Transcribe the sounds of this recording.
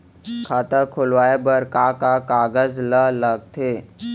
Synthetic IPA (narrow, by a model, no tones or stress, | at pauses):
kʰaːt̪əkʰʊlʋaːebəɾkakakaːɡəzlələɡ̚t̪ʰeː